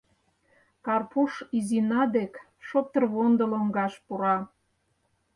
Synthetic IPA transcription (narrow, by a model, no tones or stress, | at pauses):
kɑrpuʃizinɑd̪ek | ʃop̚t̪ə̆rβond̪əloŋɡɑʃpuɾɑ